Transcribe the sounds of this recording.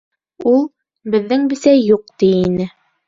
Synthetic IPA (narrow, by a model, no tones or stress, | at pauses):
ulˠ | bɘ̆ðːɘŋbɘ̆sæjuq̚t̪iinɘ